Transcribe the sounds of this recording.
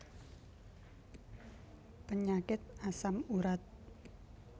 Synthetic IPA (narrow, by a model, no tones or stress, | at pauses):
pəɲakɪt̪̚asamuɾat̪̚